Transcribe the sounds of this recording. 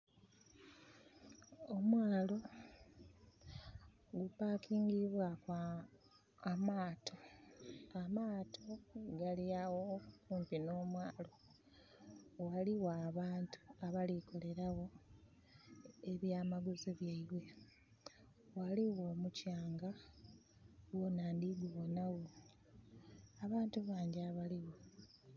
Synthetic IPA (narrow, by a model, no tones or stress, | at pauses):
omwaːlo̞ | ɡupakiːŋɡiβwakwaː | maːtʰo̞ | amaːtʰo̞ɡaliawokuːmpino̞ːmwaːlo̞ | waliwaːβaːntʰu̥aβaliko̞le̞ɾaɣo̞ | eβjaːmaɡuziβjaiβwe̞ | waliwo̞ːmucaːŋɡa | wonaːndiɡuɣonaɣo | βaːntuβaːɲɟaβaliwo̞